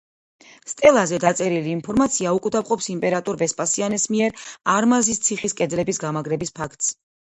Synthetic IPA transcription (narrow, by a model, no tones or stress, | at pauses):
st̪ʼɛlˠazɛd̪at̪sʼɛɾiliːnpʰɔɾmat̪sʰiaukʼud̪apqʼɔpsimpʼɛɾat̪ʼuɾbɛspʼasianɛsmiɛɾaɾmazist̪sʰiχiskʼɛd̪lɛbisɡamaɡɾɛbispʰakʰt̪ʼs